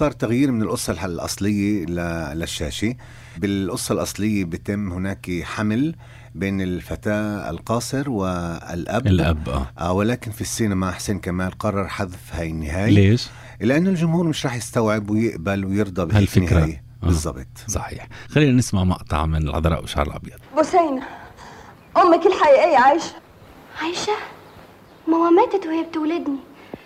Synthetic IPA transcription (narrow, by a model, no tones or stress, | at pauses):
sˤɑːɾˤt̪aɣjiːɾmɪnɪlʔʊsˤːɑllʔɑ̰sˤlɪjːalalaʃːaːʃi | bɪlʔʊsˤːɑlʔɑsˤlɪjːabɪt̪ɪmːhʊnaːkħaml | beːnɪlfat̪aːɪ̰lqɑːsˤɨɾwɪɪ̰lʔablːʔabʔa̰ːʔaːwɪlaːkɪnfisːiːnamaħseːnkamaːlqɑrˤːɑɾˤħaðfhaːjɪnːɪɦaːjleːʃ | lɪʔanːʊld͡ʒʊmhuːɾmɪʃɾˤɑːħjɪst̪awʕɪbwɪjɪʔbalwɪjɨɾd̪ˤɑbɪʔlfɪnːɪɾaːj | ʔbɨzzˤːɑ̰bt̪ˤsˤɑħḭːħxalːiːnanɪsmaʕmɑ̰ʔt̪ˤɑ̰ʕmːɪnɪlʕɑ̰d̪ˤɾˤɑ̰ʔwɪʃa̰ʕɾɪ̰lʔɑ̰bjɑd̪̥ˤbʊsajna | ʔʊmːɪkɪlːħaʔiːʔɪjːʕaːjʃḁ | ʕaːjʃa | mawamæːt̪ɪt̪hɪjːab̚t̪wlad̪ni